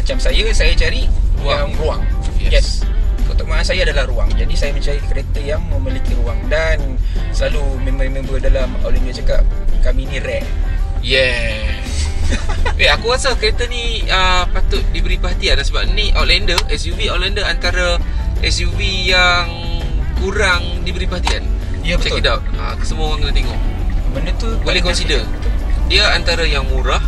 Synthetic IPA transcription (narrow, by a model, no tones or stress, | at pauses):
mat͡ʃamsajəsajat͡ʃaɾiɾuaŋɾuaŋjɛjɛsot̪oʔmasajaadalahɾuaŋd͡ʒadisajaməɲt͡ʃaɾikəɾet̪əjaŋməmilikiɾuaŋdansəlalumemamãŋbəədalama̰limbiat͡ʃakap̚kaminiɾɛʔjɛs | weakuasəkəɾet̪əniəpat̪ʊt̪̚dibəɾipəɦat̪iandansəbaʔniʔolɛndəʔɛsjuviolɛndəant̪aɾaʔɛsjuwijaŋ | kuɾaŋ | dibəɾipəɦat̪ianjabət͡ʃakidaʔa̰kə̥səmuaŋɡənət̪eŋɔʔmənut̪ubalekɔnsidərdiəant̪aɾajaŋmuɾah